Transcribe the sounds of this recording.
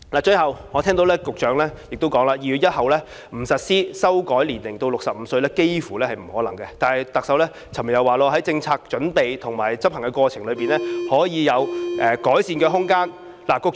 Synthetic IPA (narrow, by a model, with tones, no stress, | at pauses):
laː˨˩t͡ʃɵ˧ɥhɐ˨wŋɔ˨˧t̪ʰɛː˥ŋt̪o˨˥wlɛː˥kʊ˨k̚t͡ʃœː˨˧ŋlɛː˥jɪ˨k̚t̪o˥wkɔː˨˥ŋlaː˧jiː˨˧jy˨˧˥jɐ˥t̚hɐ˨wlɛː˥ | m̩˨˩sɐ˨t̚siː˥sɐ˥wkɔː˨˥jliː˨˩nlɪ˨˩ŋt̪o˧wlʊ˨ksɐ˨p̚m̩˨˧˦sɵ˧ɥlɛː˥ke˥jfuː˨˩lɛː˥hɐ˨jm̩˨˩hɔː˨˥lɐ˨˩ŋkɛ˧t̪aː˨˩nhɐ˨˩jt̪ɐ˨k̚sɐ˨˥wlɛː˥ | t͡sʰɐ˨˩m˨˩jɐ˨˧waː˨lɔː˧ɦɐ˨˥jt͡sɪ˧ŋt͡sʰaː˧k̚t͡ʃɵ˨˥npe˨jt̪ʰʊ˨˩ŋmaː˨˩jt͡sɐ˥p̚hɐ˨˩ŋkɛ˧kʷwɔː˧t͡sʰɪ˨˩ŋlɵ˨˧ɥpiː˨nlɛː˥hɔː˨˥jiː˨˧jɐ˨˧wʔɛː˨˩kɔː˨˥jsiː˧nkɛː˧ɦʊ˥ŋkaː˥n | laː˨˩kʊ˨k̚